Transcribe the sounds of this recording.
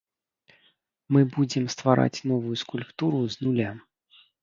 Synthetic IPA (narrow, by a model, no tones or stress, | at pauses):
mɨbud͡zʲɛmst̪vaɾa̰t͡sʲn̪ɔvujuskulʲpt̪uɾuznulʲa